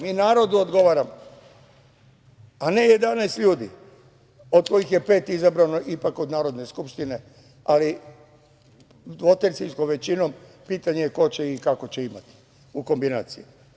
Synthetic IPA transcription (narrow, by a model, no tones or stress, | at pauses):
miːnaːɾo̞d̪uod̪ɡo̞ʋaːɾamo | ane̞je̞d̪anɛːst̪ʎuːd̪ḭ | od̪̚ko̞ixje̞pe̞ːt̪izabɾanoʔipako̞d̪naːɾo̞d̪ne̞skupʃt̪ine̞ | ali | d̪ʋo̞t̪eɾsinskomʋe̞t͡ɕino̞m | piːt̪aɲejeko̞t͡ɕeikako̞t͡ɕe̞imat̪i̥ | uko̞mbina̰ːt̪sije